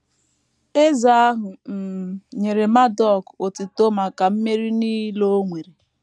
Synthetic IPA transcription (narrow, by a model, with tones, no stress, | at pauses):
e˦za˦ɦʊ˨m̩˨ɲe˨ɾe˨ma˦dɔ˦˨ko˨ti˨to˦ma˨ka˨m̩˦me˦ɾi˦niː˦lo˦ŋʷe˨ɾe˨